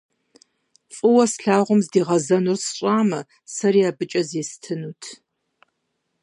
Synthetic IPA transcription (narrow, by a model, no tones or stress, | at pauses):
fʼɨwɐsɬaːʁʷʊmzdiːʁɐzɐnursɕʷʼaːmɐ | sɐɾiaːbɨt͡ʃʼɐzjɛstʰɨnuːtʰ